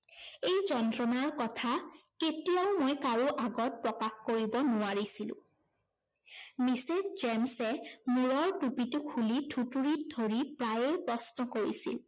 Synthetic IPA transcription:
ejzɔntɹɔnaɹkɔtʰaketijaʊmojkaɹuʔaɡɔt̚pɹɔkaxkoɹibɔnʊaɹisilʊ̰̃ | misetzɛmsɛmuɹɔɹtupitʊkʰulitʰutuɹit̚dʱoɹipɹajejpɹɔsnɔkoɹḭsḭl

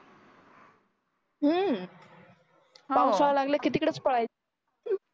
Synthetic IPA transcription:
ɦə | pãw̃saɭalaɡljakit̪ikəɽet͡spəɭaj

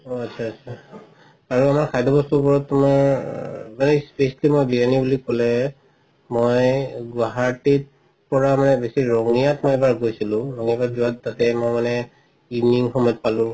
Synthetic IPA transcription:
oatsʰaːsʰa | aɹuamaɹkʰajdɔbɔstupɔɹɔtːumaɹ | manɛspesalimojbiɹanibulikɔlɛ | mojɡwaɦatit | pɔɹamanɛbesiɹɔŋijatmɔjebaɹɡojsilʊ̃ɹɔŋibazʊatːatɛmojmanɛ | ivniŋxɔmɔjt̚palʊ̃

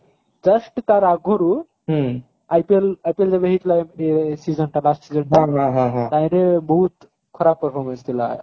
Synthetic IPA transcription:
d͡ʒəsʈt̪aɾaɡʱoɾu | ɦ | ajpelajpeld͡ʒebeɦit̪ʰlamesizənʈalasʈsizənʈɦaãɦãɦãɦãt̪ajɾebɔɦut̪ | kʰɔɾabpəɾpʰɔɾmə̃nst̪ʰila̰

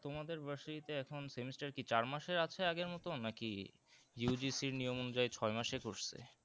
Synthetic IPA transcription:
t̪omad̪eɾbaʃiit̪eɛkʰonsemisʈaɾkit͡ɕaɾmaʃeɾat͡ɕʰeaɡeɾmɔt̪onaki | judisiɾnijomonud͡ʑajt͡ɕʰɔemaʃekoʃt͡ɕʰḛ

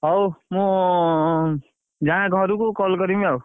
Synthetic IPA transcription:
ʌwmu | d͡zãɡʱʌɾukokɔlkʌɾimeʌw

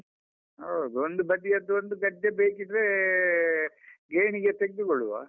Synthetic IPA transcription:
ɐwd̪uond̪ubɐd̪ijɐd̪ːond̪uɡɐɖːebeːkid̪ɾe | ɡeːɳiɡet̪eɡ̚d̪uɡoɭːuʋa̰ː

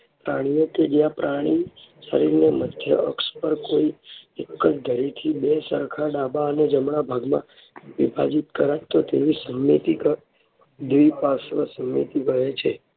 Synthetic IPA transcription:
pɾaɽ̃ijoked͡ʒjãpɾaɽ̃isə̰ɾiɾneməd̪ʱjə̰ʔə̰kspəɾkoiekːət͡ʃd̪ʱəɾit̪ʰibesəɾkʰaɖabaəned͡ʒəmɳabʱaɡmã̰ | ʋibʱa̰d͡ʒit̪̚kəɾat̪ot̪eʋisəmːit̪ikə | d̪ʋipasʋəsəmːḭt̪ikəɦet͡ʃʰe

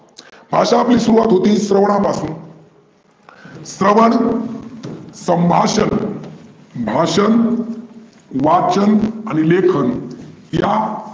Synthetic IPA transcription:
bʱaʂaːpliːsuɾuʋat̪ɦot̪iːsɾəʋɳ̃ãpasuːn | sɾəʋəɳ | səmbʱaʂən | bʱaɕən | ʋat͡ɕənanilekʰənja

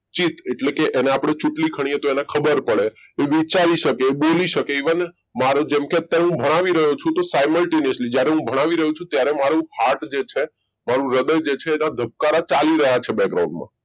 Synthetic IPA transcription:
t͡ʃit̪eʈlekeʔeneapɽ̃et͡ʃuʈlikʰəɽ̃iet̪oenekʰəbəɾpəɭe | eʋit͡ʃaliʃəkeboliʃəkeiʋən | maɾod͡ʒɛmkeət̪jaɾeɦũbʱəɽ̃aʋiɾəɦot͡ʃʰũt̪osajməlʈeniəslid͡ʒjaɾeɦũbʱəɽ̃aʋiɾəɦũt͡ʃʰũt̪jaɾemaɾũhaʈd͡ʒet͡ʃʰe | maɾũɾəd̪əjd͡ʒet͡ʃʰeːnad̪ʱəp̚kaɾat͡ʃaliɾəɦat͡ʃʰebɛɡɾa̰wũɳɖmã̰

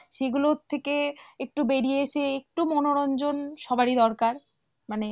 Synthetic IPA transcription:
ʃeɡulot̪ʰːekeek̚ʈubeɽieeʃʰeek̚ʈumɔnoɾɔnd͡ʑonʃɔbaɾid̪ɔɾkaɾ | mane

